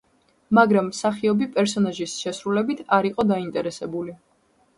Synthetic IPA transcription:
maɡɾamːsaχiɔbipʼɛɾsɔnaʒisʃɛsɾulɛbit̪ʰaɾiqʼɔd̪aint̪ʼɛɾɛsɛbuli

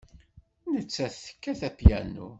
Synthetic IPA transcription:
nət͡sːæθə̥kːæθæpjæ̰nːṵ

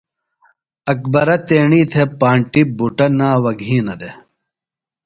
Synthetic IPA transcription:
ɐk̚bɐɾɐt̪eːɳiːt̪ʰepaːɳʈibuʈɐnaːwɐɡʱĩːnɐd̪e

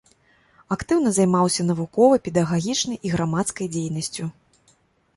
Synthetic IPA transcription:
akt̪ɨwnɐzajmawsʲɐnɐvukɔvɐjpʲɛd̪ɐɣaɣʲit͡ʂnɐjʔiɣɾamat̪skɐjd͡zʲejnɐsʲt͡sʲu

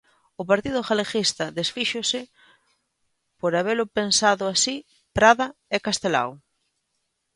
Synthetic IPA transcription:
ʊpaɾt̪iðʊxalexist̪ɐðesfiʃʊsɪ | poɾaβ̞elʊpensaðʊasi | pɾaðɐɛkast̪ela̰w

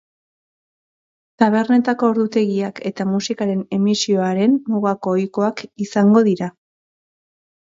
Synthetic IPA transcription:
t̪aβ̞e̞ɾne̞t̪ako̞ːɾðut̪e̞ɣiake̞t̪amusikaɾe̞ne̞misio̞aɾe̞nːuɣako̞ːjko̞akisaŋɡo̞ðiɾa

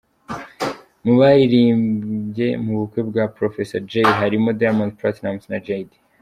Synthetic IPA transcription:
muβajiɾiːmɟe̞muβukwe̞bɡapɾofeseɾd͡ʒejɦaɾimo̞d̪ajamanzpɾat̪namsnad͡ʒajd̪i

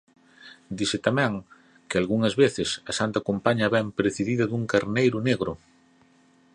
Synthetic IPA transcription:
d̪isɪt̪amɛ̃ŋ | kealɣuŋɐzβeθɪsɐsant̪ɐkompaɲɐβɛmpɾeθiðiðɐðuŋkaɾnejɾʊneɣɾʊ

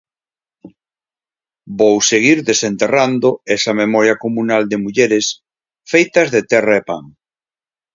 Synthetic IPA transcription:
bowseɣ̞iɾðesent̪erand̪oɛsɐmemɔɾjɐkomunald̪emuʎeɾes | fejt̪ɐzðet̪ɛraepa̰ŋ

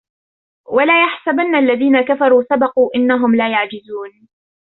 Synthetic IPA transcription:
walaːjaħsabanːaʔlːaðiːnakafɑɾˤuːsabɑquːʔɪnːaɦʊmlaːjaʕd͡ʒɪzuːn

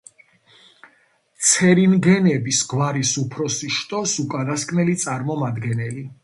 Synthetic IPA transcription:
t̪sʰɛɾinɡɛnɛbisɡwaɾisupʰɾɔsiʃt̪ʼɔsukʼad̪askʼnɛlit̪sʼaɾmɔmad̪ɡɛnɛli

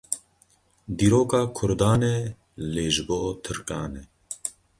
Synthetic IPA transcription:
d̪iːɾoːkaːkʰʊɾd̪aːnɛ | leːʒɨboːt̪ʰɨɾkʼɑːnɛ

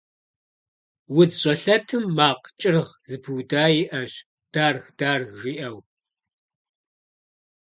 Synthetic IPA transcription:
wʊd͡zɕʼɐɬɐtʰɨmːaːqt͡ʃʼɪrʁzɨpʰuwdaːjiʔɐɕ | d̥aːrxd̥aːrʒʷiːʔɐw

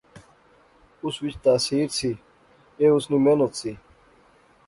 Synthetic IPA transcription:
uswit͡ɕt̪aːsiːɾsi | eusnimenot̪si

